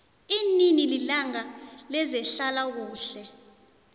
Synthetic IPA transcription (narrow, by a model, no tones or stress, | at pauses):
iːninililaŋalɛzɛɬalak̬uːɬɛ